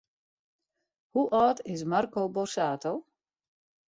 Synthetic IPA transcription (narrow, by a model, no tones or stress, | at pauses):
huʔɔːtɪs̬markowborsaːtʰow